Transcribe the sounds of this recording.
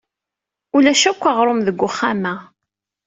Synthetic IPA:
ulæʃækʷːɑʁɾˤomðəɡʷːʊχːamæ

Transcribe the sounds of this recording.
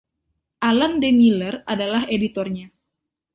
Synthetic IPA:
ʔalandemiləradalaɦedit̪ɔrɲa

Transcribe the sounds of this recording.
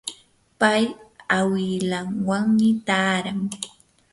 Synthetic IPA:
pajawɪlaŋwaŋmɪt̪aːɾaŋ

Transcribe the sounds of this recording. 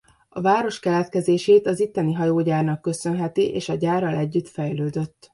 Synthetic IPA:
ɒvaːɾo̞ʃkɛlɛt̪kɛzeːʃeːt̪ɒzit̪ːɛniɦɒjoːɟaːrnɒkːø̞sø̞nɦɛt̪iʔeːʃɒɟaːrːɒlɛɟːyt̪fɛjløːd̪ø̞t̪ː

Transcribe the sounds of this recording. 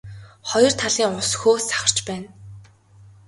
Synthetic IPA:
χɔjɞ̆r̥t̪ʰaɮiːŋʊsxoːsḁχə̆r̥t͡ɕpæːn

